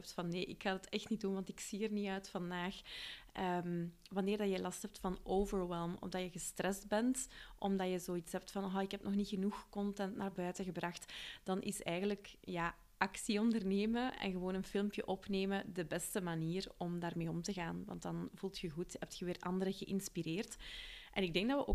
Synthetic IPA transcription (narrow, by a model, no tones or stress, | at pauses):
p̚tfɑnːeːʔɪkxaːdɑtɛxtnit̚dunʋɑntɪksiərniœɥtfɑndaːxʔəːm | ʋɑnɪːrdɑjəlɑstɦɛp̚tfɑnoːvəɹwɛlˠmɔ̰mdɑjəɣəstrɛzd̚bɛntʔɔmdɑjəzoːitsɦɛp̚tfɑnɦaɪkɦɛp̚nʔɔxnixənuxkɔntɛntnaːrbœːtəɣəbrɑxtd̥ɑnʔɪ̰sɛːɣənləkjaː | ʔɑksiɔndərneːməɛ̰nɣəʋoːnənfɪlˠmpjə̰ʔɔpneːmədəbɛstəmaniːrɔmdaːrmeːɔmtəɣaːnʋɑ̰ntdɑnvulˠtxəɣuthɛp̚txəʋɪːrʔɑndəɾəɣəʔɪnspireːrtʔɛnɪɡ̚dɛŋɡ̚dɑtʋəʔo